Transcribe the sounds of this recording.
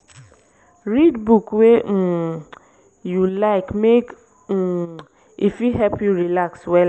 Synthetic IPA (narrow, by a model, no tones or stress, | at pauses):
ɹidbukwe | julaɪkmek̩ | ifjuɦɛpjuɹilakswɛ